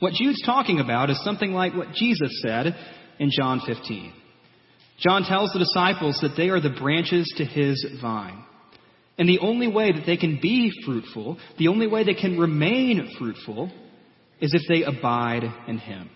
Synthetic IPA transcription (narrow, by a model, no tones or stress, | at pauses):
wʌt̚d̥ʒ̥ʉdz̥tʰɔkɪ̃ŋɨbaʊɾɨz̥sʌ̃mθɪ̃ŋlaɪkwʌt̚d̥ʒ̥izɨsɛɾɨ̃nd͡ʒɑ̃nfɪftʰḭ̃n̥ | d͡ʒ̥ɑ̃ntʰɛlˠzðədɨsaɪpl̩ˠzðɨt̪̚ðeɪə˞ðɨbɹæ̃nt͡ʃɪz̥tʰɨɪzvãɪ̃n | ɨ̃nðiʔõʊ̃nliweɪðɨt̪̚ðeɪkɨ̃nbifɹʉtfl̩ˠðiõʊ̃nliweɪðeɪkʰɨ̃nɹɨmẽɪ̃nfɹʉtfl̩ˠ | ɨzɨfðeɪʔəbaɪɾɨ̃nɪ̰̃m